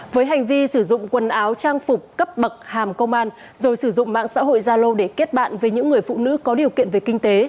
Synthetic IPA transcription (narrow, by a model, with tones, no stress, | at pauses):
vəː˨˦jɦa˨˩jŋ̟vi˧sɨ˧˩zʊ̰˧˨ŋ͡mkwə˨˩nʔaː˨˦wt͡ɕaː˧ŋfʊ˨˩k͡p̚kə˦˥p̚ɓə˨˩k̚haː˨˩mkə˧wŋ͡mʔaː˧n | zo˨˩jsɨ˧˩zʊ̰˧˨ŋ͡mma̰ː˧˨ŋsa̰ː˧˥ɦo̰˧˨jzaː˧lo˧ɗe˧˩ke˦˥t̚ɓa̰ː˧˨nve˨˩ɲɨ̰˧˥ŋːɨ˨˩əjfṵ˧˨nɨ̰˧˥kɔ˨˦ɗi˨˩əwkḭ˧˨ənve˨˩kï˧ŋ̟t̪e˨˦